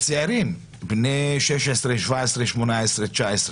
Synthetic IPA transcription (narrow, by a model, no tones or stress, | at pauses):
t͡seaɾim | bneʃeʃesɾeʃvaesɾeʃmonaesɾet͡ʃaesɾ